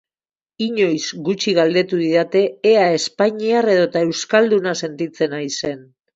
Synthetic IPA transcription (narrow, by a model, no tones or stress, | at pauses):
iɲo̞jzɡut͡ʃiɣald̪e̞t̪uðiðat̪e̞ːae̞spaɲiare̞ðo̞t̪ae̞wskald̪unase̞nt̪it͡se̞najse̞n